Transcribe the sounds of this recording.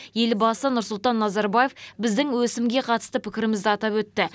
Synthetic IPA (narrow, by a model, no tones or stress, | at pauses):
je̞lbɑsənʊɾsʊlˠt̪ɑnːɑzɑɾbaje̞fbɪzd̪ɪŋwɵsɪmɡʲe̞qʰɑt̪ə̥st̪əpʰɪkʲɪɾɪmɪzd̪ɪɑt̪ɑpwɵt̪ːɪ